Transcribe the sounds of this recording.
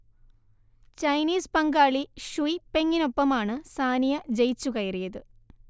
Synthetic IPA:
t͡ɕɐjniːspɐŋɡaːɭiɕuipe̞ŋːino̞pːɐmaːɳɨsaːnijɐd͡ʑejt͡ɕːukɐjɐrijɐðɨ

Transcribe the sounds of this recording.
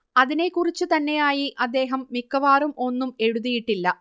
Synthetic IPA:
ɐðine̞kːurit͡ɕːut̪ɐnːe̞jaːjiʔɐd̪ːe̞ːɦɐmːikːɐʋaːrumo̞nːume̞ɻuðijiʈːilːɐ

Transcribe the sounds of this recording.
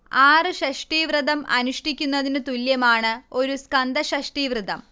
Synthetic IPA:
aːrɨɕɐʂʈiʋrɨðɐmʔɐ̰nuʂʈikʲːunːɐðinɨt̪uljɐmaːɳɨo̞ɾuskɐnd̪ɐɕɐʂʈiʋrɨd̪ɐm

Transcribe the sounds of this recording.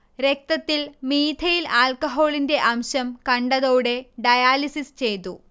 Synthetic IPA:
ɾe̞k̚t̪ɐt̪ːilmiːd̪ʰʱɐjilaːlkɐɦo̞ːɭinde̞ʔɐmɕɐmkɐɳɖɐðoːɽe̞ɖɐjaːlisist͡ɕe̞jt̪ːṵ

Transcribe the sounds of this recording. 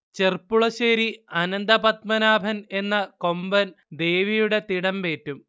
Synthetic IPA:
t͡ɕe̞rpːuɭɐɕeːɾiɐnɐnd̪ɐpɐt̪mɐnaːbʱɐne̞nːɐko̞mbɐn | d̪e̞ːʋijuɽe̞t̪iɽɐmpe̞ːtːum

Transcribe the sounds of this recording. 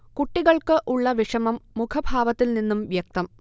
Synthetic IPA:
kuʈːiɣɐɭkɨʔuɭːɐʋiʂɐmɐmːukʰɐbʱaːʋɐt̪ːilninːumʋjɐk̚t̪ɐm

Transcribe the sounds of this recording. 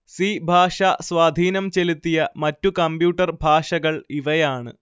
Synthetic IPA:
siːbʱaːʂɐswaːd̪ʱiːnɐmt͡ɕe̞lut̪ːijɐmɐtːukɐmbjuːʈːɐrbʱaːʂɐɣɐɭiʋɐjaːɳɨ̰

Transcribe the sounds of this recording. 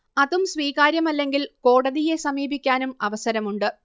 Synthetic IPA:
ɐðumsʋiːɣaːɾjɐmɐlːe̞ŋɡilko̞ːɽɐðije̞sɐmiːbikʲːaːnumɐʋɐsɐɾɐmuɳɖɨ

